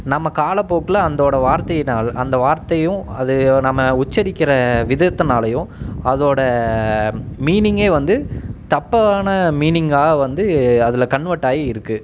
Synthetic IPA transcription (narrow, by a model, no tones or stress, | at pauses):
nɐmːɐkaːlɐpoːkɐlɐːnd̪oːɽɐʋaːɾt̪ɐjnaːlɐnd̪ɐʋaːɾt̪ɐjʊ̃ɐðɯnɐmːɐʊt͡ʃːɐɾɪkʲːɪɾɐʋɪðɐt̪ːɯnaːlɐjʊ̃ɐðoːɽɐ | miːnɪŋɡeːʋɐnd̪ɯt̪ɐpːɐaːnɐmiːnɪŋɡaːɣɐʋɐnd̪ɯɐðɪlɐkɐɳʋɐʈːaːɣiɪɾɯkːɯ